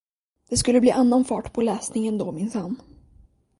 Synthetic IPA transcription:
d̪̥ɛskɵlːəbliːʔanːanfɑːʈpʰɔlɛːsnɪŋɛnd̪oːmɪnsanː

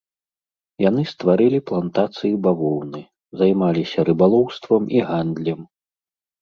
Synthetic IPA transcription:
jan̪ɨst̪vaɾɨlʲiplˠant̪at̪sɨjibavɔwnɨ | zajmalʲisʲɐɾɨbalˠɔwst̪vɐmiɣand̪lʲɛm

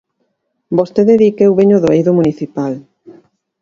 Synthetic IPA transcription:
bost̪eðeðikewβeɲoðoejðomuniθipal

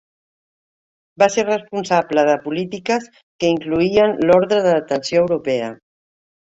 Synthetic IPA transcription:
baseɾrəspunsapləðəpulit̪ikəs | kəiŋkluiənlɔɾðɾəðəðət̪ənsjoəwɾupɛə̰

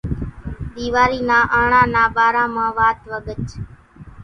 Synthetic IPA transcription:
ɗ̪iːʋaːɾiːnãːʔəːɳãːnaːbaːɾãːmãːʋaːt̪ʋəɠət͡ʃ

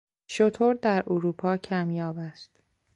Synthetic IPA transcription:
ʃot̪ʰoɾd̪æɾʔoɾuːpʰɒːcʰæmjɒːbæst̪

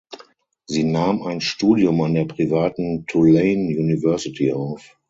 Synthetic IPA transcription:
ziːnaːmaɪnʃtuːdjʊmandeːɐpʁ̥ivaːtn̩tʰuleɪnjuːnivɛɐsitʰiaʊf

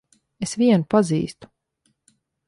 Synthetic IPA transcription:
esviɛnupazḭːst̪u̥

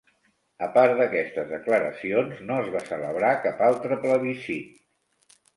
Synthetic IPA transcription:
əpaɾd̪əkɛst̪əzðəkləɾə̰sionznoəzβasələβɾakapalˠt̪ɾəpləβisi

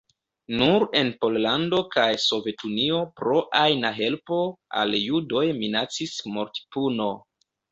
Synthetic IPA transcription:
nuɾe̞npo̞llando̞kajso̞ve̞tunio̞pɾo̞ʔajnaɦe̞lpo̞a̰ljudo̞jminat͡sismoɾti̥puno̞

